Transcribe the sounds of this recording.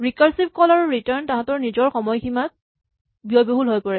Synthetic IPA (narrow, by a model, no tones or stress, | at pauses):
ɹikaɹsip̚kɔlaɹuɹitaɹntãɦãtɔɹnizɔɹxɔmɔjximat̚ | biɔjboɦulɦojpɔɹɛ